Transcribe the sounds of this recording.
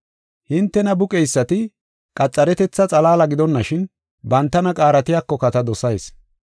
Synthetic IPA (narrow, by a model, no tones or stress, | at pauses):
hɪnt̪ːɛnɐbʊkʼɛjsːɐt̪ɪ | kʼɐt͡sʼːɐɾɛt̪ɛt͡sːɐt͡sʼɐlaːlɐɡɪd̪ɔnːɐʃɪn | bɐnt̪ːɐnɐkʼaːɾɐt̪ɪjakːɔkɐt̪ɐd̪ɔsɐjs